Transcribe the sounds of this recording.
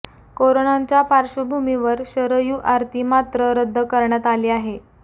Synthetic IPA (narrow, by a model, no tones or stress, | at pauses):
koɾonaɲt͡ɕjapaɾɕəbʱumiʋəɾɕəɾəjuːʔaɾt̪iːmat̪ɾəɾəd̪ʱːəkəɾɳjat̪aliːaɦe